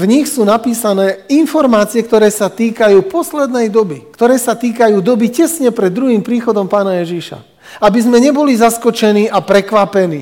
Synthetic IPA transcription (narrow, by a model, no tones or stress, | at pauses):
vɲixsuːnapiːsanɛːinfɔɾmaːt͡siɛk̚t̪ɔɾɛːsat̪iːkajuːpɔslɛd̪nɛjd̪ɔbikt̪ɔɾɛːsat̪iːkajuːd̪ɔbicɛsɲɛpɾɛd̪ːɾuɦiːmpɾiːxɔd̪ɔmpaːnajɛʒiʃa̰ | abizmɛɲɛbɔlizaskɔt͡ʃɛniːapɾɛkʋapɛnḭː